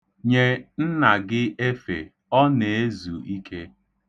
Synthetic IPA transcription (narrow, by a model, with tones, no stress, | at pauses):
ɲe˦n̩˦na˨ɡɪ˦e˦fḛ˨ | ɔ˦ne˨e˦zu˨i˦kʰe˦